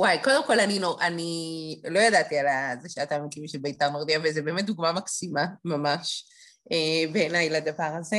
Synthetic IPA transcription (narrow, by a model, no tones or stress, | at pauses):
wajko̞d̪e̞mko̞laninoʔanilo̞jad̪at̪ialazeʃeat̪aːmikimʃelbeit̪aʁnoʁd̪iavezebemet̪̚d̪uɡmamaksimamamaʃ | ebeːnajlad̪avaʁaze